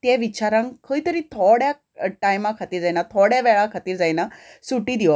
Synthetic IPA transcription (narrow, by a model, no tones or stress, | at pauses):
t̪ɛ̃ʋit͡ɕaɾãŋkʰəit̪əɾĩːt̪ʰɔɽja | ʈajmakʰat̪iːɾd͡zajnat̪ʰɔɽjaʋɛɭakʰat̪iːɾd͡zajnasuʈiːd̪iʋɔ